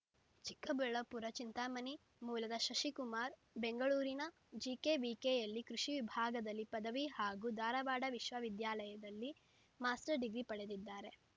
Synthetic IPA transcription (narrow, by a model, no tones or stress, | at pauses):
t͡ʃi̥kːɐbɛɭɐpuɾɐt͡ʃint̪aːmɐni | muːlɐd̪ɐʃɐʃikumaːɾ | be̞ŋɡɐɭuːɾinɐ | d͡ʒiːkeʋiːkeːjɐlːikɾuʃiʋibʱaːɡɐd̪ɐlːipɐd̪ɐʋihaːɡuːd̪aːɾɐʋaːɖɐʋiʃʋɐʋid̪jaːlɐjɐd̪ɐlːi | maːsʈɐɾɖiɡɾipɐɽe̞d̪id̪ːaːɾe̞